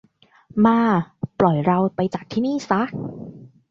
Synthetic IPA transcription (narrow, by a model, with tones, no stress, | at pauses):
maː˧plɔ˨˩jɾa˧wpa˧jt͡ɕaː˨˩k̚t̪ʰiː˥˩niː˥˩sa˦˥k̚